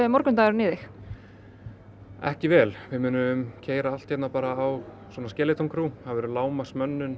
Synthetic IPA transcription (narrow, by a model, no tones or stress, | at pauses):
ɪmɔɾkʏnt̪aːɣɾʏnɪðɪx | ɛ̰hcɪvɛːlvɪmʏːnʏʏmcʰeːjɾaal̥t̪hɛjt̪napaːɾaːw | swɔːnascɛːlɪt̪ʰoŋkʰɾuhavɛːɾʏlaːwmasmœnːʏn